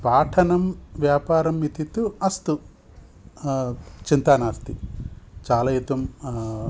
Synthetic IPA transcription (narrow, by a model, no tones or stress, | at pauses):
paːʈʰɐnɐmʋjaːpaːɾɐmːit̪it̪uɐst̪u | t͡ʃint̪aːnaːst̪it͡ʃaːlajit̪ɐm